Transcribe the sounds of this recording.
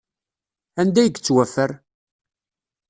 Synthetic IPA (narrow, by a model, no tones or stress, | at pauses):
ænd̪æjəɡt͡sːwæfəɾ